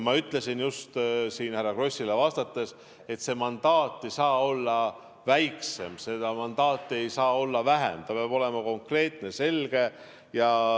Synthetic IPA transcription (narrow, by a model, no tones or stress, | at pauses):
mɑyt̪ˑle̞sinjust̪siːnhærːɑɡ̥ro̞sʲilevɑst̪ɑt̪ːˑe̞s | e̞t̪ːse̞mɑnd̪̥ɑːt̪ˑːe̞jsɑːo̞lːɑ | væjkse̞̰mse̞d̪̥ɑmɑnd̪̥ɑːt̪ːˑe̞jsɑːo̞lːɑvæɦḛmt̪ɑpɑb̥o̞le̞mɑko̞ŋkre̞ːt̪ne̞se̞lɡ̥e̞ | jɑ